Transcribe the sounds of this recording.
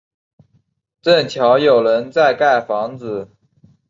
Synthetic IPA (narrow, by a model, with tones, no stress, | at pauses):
ʈ͡ʂə˥˩nt͡ɕʰjɑ˧˥ʊjo˨˩ʊɻə˧˥nt͡sa˥˧ɪka˥˩ɪfɑ˧˥ŋt͡sɹ̩˨˩˦